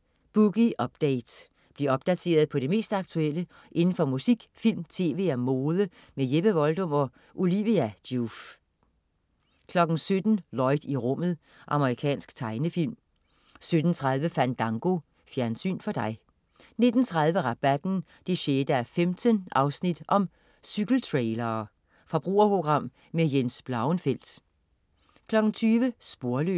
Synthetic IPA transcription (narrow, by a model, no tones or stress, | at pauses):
b̥uɡ̥iʔɒ̽b̥̚d̥eɪd̥ | b̥li̝ɒ̽b̥̚d̥æt͡sʰe̝̰ːɐð̞̩ˠpʰɒ̽ɾ̥e̝me̝̰ːsd̥ɑ̈ɡ̥̚t͡sʰuel̰ə | ʔe̝nn̩fɒ̽musiɡ̥fil̰mt͡sʰe̝̰ːʋe̝̰ːæmo̝ːðˠə | mejeb̥əʋɒ̽ld̥ɔ̽m̰ɒ̽ | ʔuliʋiæd̥uf | kʰlɒ̽ɡ̥n̩sød̥n̩lɒ̽ɪd̥iʁɔ̽m̰ð̞̩ˠ | ʔɑ̈məʁikʰɛ̰ːnsɡ̥t͡sʰɑ̈ɪnəfil̰m | sød̥n̩t͡sʰʁɑð̞ˠʋəfæn̰d̥ɑ̈ŋɡ̥o̝ | fjæɐnsy̰ːnfɒ̽d̥ɑ̈ɪ | ne̝d̥n̩t͡sʰʁɑð̞ˠʋəʁɑ̈b̥æd̥n̩ | d̥eɕeːd̥əæɐfemd̥ənʔɑ̈ʊsnid̥ʔɒ̽m | syɡ̥l̩t͡sʰʁeɪlɐː | fʁɑb̥ʁṵːɐpʰʁo̝ɡ̥ʁɑ̈m̰ | mejensb̥lɑ̈ʊnfel̰d̥ | kʰlɒ̽ɡ̥n̩t͡sʰyːʋəsb̥o̝ɐlø